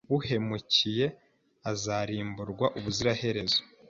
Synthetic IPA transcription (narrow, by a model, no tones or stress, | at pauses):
βuhe̞mucije̞ | azaɾiːmbuɾɡwaʔuβuziɾahe̞ɾe̞zo̥